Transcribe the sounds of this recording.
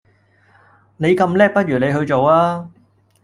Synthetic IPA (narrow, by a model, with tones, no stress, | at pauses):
ne˨˧jkɐ˧mlɛː˥k̚pɐ˥t̚ɥyː˨˩ne˨˧jɦɵ˧ɥt͡so˨waː˥